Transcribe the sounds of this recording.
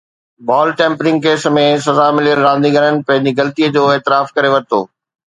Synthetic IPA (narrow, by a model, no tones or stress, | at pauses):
baːlʈẽːmpɾɪ̃ŋɡ̚keːsmẽsɐzamɪlijəlɾãːnd̪ĩɡɐɾənɪ̆pɐ̃ɦɪ̃ɲd͡ʑiɡɐlt̪iəd͡ʑoːeːt̪ɪɾaːfkɐɾeʋɐɾɪt̪o̰ː